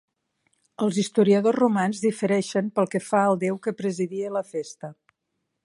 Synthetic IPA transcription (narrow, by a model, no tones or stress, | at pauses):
əlˠzist̪uɾiəðozrumanzðifəɾɛʃəmpəlˠkəfaəlˠd̪ewkəpɾəziðiələfest̪ə